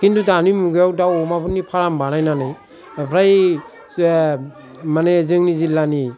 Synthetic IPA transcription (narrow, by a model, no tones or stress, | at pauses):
kindudanimuɡejawdawmapʰɯnːipʰaɾambanajnanɯj | pʰɾaj | manezɯŋnizilani